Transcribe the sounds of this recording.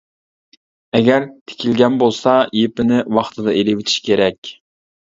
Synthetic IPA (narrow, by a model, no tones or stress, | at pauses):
ɛɡʲɛɾt̪ʰe̥kʲʰilɡʲɛnbolˠsɑjepɪnɪwɑχt̪ʰɨd̪ɑʔelɪwɪt̪ʰi̥ʃkʲʰeɾɛkʲ